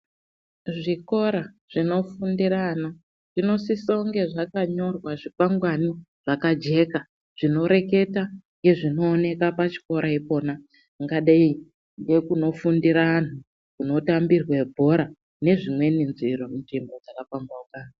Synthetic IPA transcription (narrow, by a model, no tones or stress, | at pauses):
ʐiko̞ɾa | ʐ̥ino̞fundiɾana | ʐ̥ino̞sisoŋɡe̞ʐakaɲo̞rwaʐipaŋɡwani | ʐ̥akad͡ʒe̞ːka | ʐ̥ino̞ɾe̞ke̞taŋɡe̞ʐino̞ːne̞kapat͡ʃi̥ko̞ɾaipo̞ːna | ŋɡaɗai | nde̞kuno̞fundiɾaan̤u | kuno̞tambirwebʱo̞ɾa | ne̞ʐimwe̞ninziɾonʐimbo̞d͡zakafamɡaukaːna